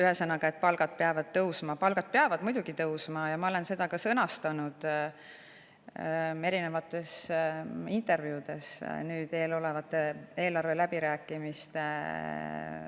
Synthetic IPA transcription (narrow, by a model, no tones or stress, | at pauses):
yɦe̞sɑnːɑɡ̥ɑe̞t̪̚ːpɑlɡ̥ɑd̪̥̚peɑvɑd̪̥̚t̪ɤwsmɑpɑlɡ̥ɑd̪̥̚peɑvɑd̪̥mujd̥̪uɡ̥it̪ɤwsmɑjɑmɑo̞le̞nse̞d̪̥ɑkɑsɤnɑst̪ɑnud̪̥ | e̞ɾine̞vɑt̪ːˑe̞s | int̪ˑe̞rvjuːd̪̥e̞snyːd̪̥e̞ːlo̞le̞vɑt̪ːˑe̞e̞ːlɑrve̞læb̥iɾæːkːˑimist̪e